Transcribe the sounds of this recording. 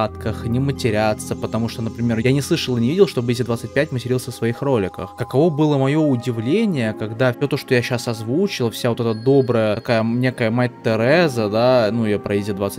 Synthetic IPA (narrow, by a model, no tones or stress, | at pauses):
at̪kəxnʲɪmətʲɪɾʲat̪səpət̪ɐmuʂt̪onəpɾʲɪmʲe̞ɾjanʲɪslˠɨʂəlˠɨnʲɪvʲidʲɪlˠʂt̪o̞bizʲɪd̪vat̪sɨt̚ʲpʲæt̚ʲmətʲɪɾʲilˠsʲəfsvɐixro̞lʲɪkə̰xkəkɐvo̞bɨlˠəmɐjo̞ʊdʲɪvlʲenʲɪjəkɐɡd̪afsʲo̞t̪o̞ʂt̪ojaɕːasɐzvut͡ɕɪlˠəfsʲavo̞t̪ɛt̪əd̪o̞bɾəjəkajənʲe̞kəjəmatʲt̪ːɨɾɛzəd̪anujapɾɐezʲɪd̪vat̪sɨ̥